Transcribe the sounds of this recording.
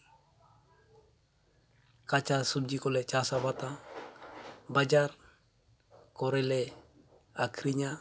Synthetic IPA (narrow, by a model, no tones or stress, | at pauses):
kat͡ʃasub̚d͡ʒikolɛt͡ʃasabat̪a | bad͡ʒar | koɾele | akɾiɲa